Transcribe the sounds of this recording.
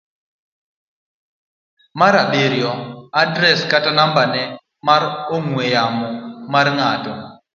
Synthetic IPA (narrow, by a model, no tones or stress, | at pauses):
maɾaɓeɾjɔadɾɛskatanambanɛ | maɾoŋwejamɔmarŋatɔ